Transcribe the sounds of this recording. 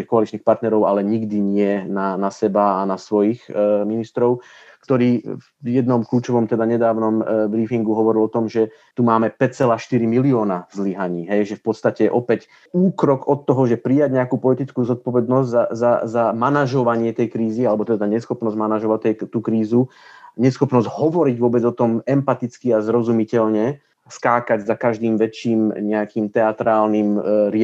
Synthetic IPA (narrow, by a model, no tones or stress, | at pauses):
ixkɔalit͡ʃniːxpaɾt̪nɛɾɔʊalɛɲiɡd̪iɲɪɛnanasɛbaanasʋɔjixminist̪ɾɔʊ | kt̪ɔɾiː | jɛd̪nɔmkluːt͡ʃɔʋɔmt̪ɛd̪aɲɛd̪aːʊnɔmbɾiːfiŋɡuɦɔʋɔɾilɔt̪ɔmʒɛ | t̪umaːmɛpɛc̚t͡sɛlaːʃt̪iɾimiliɔːnazliɦaɲiːɦɛjʒɛfpɔt̪st̪acɛʔɔpɛc | uːkɾɔkɔt̪ːɔɦɔʒɛpɾijaɟɲɛakuːpɔlit̪it͡skuːzɔt̪̚pɔʋɛd̪nɔzɟzazazamanaʒɔʋaɲɪɛt̪ɛjkɾiːzialɛbɔt̪ɛd̪aɲɛsxɔpnɔzɟmanaʒɔʋatt̪ːɛt̪uːkɾiːzuɲɛsxɔpnɔzɟɦɔʋɔɾiɟʋʊɔbɛd͡zɔt̪ɔmɛmpat̪it͡skiazɾɔzumicɛlɲɛ | skaːkaɟzakaʒd̪iːmʋɛt͡ʃːiːmɲɛakiːmt̪ɛat̪ɾaːlnimɾɪ